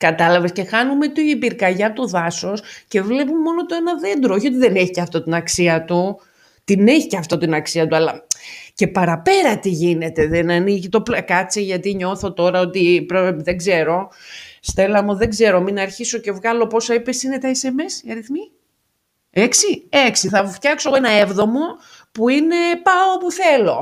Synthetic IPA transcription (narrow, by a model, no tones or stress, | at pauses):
kɐt̪ɐlɐve̞sce̞xɐnume̞t̪oipiɾkɐʝɐt̪oðɐso̞sce̞vle̞pumemo̞not̪oenɐðe̞nd̪ɾooçio̞t̪̬iðe̞neçi̥ceɐft̪o̞t̪inɐksiɐt̪u | t̪ine̞çiceɐft̪o̞t̪inɐksiɐt̪uɐlɐce̞pɐɾɐpe̞ɾɐt̪iʝine̞t̪e̞ðenɐniʝit̪o̞plɐkɐt͡seʝɐt̪iɲo̞θo̞t̪o̞ɾɐo̞t̪ipɾeðeɡze̞ɾo̞st̪e̞lɐmuðe̞ɡze̞ɾo̞minɐɾçiso̞ce̞vɣɐlo̞po̞sɐipe̞sine̞t̪ɐese̞mesiɐɾiθmi | eksieksiθɐft̪çɐksoenɐevðo̞mo̞ | puine̞pɐopuθe̞lo̞